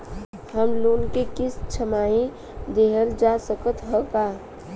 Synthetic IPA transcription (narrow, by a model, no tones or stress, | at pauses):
ɦəmloːnkekɪst͡ʃʰəmaĩ | d̪eɦəld͡ʒasəkət̪ɦəka